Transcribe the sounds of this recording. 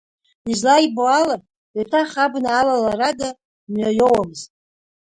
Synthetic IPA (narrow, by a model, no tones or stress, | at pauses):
izlajboala | atʰaχabnaːlalaɾada | mɥajowamɨz̥tʼ